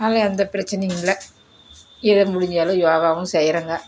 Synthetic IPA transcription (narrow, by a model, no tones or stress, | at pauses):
naːlɐɐnd̪ɐpɪɾɐt͡ʃːɪnɐjɯ̃ɪlɐ | ɪðɐmʊɽɪɲd͡ʒaːlɯ̃joːɣaːʋɯ̃sɛjɾɐŋɡɐ